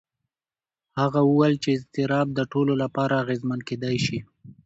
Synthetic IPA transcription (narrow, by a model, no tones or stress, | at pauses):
haɣauwalt͡ʃeɪst̪ɪɾɑb̚d̪əʈololapɑɾaːɣezmanked̪ɑjʃi